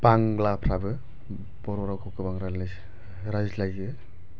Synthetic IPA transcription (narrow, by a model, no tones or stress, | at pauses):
baŋlapʰɾabɯ | b̥ɔɾɔɾawkʰɔkɯbaŋɾalas | ɾajzlajɯ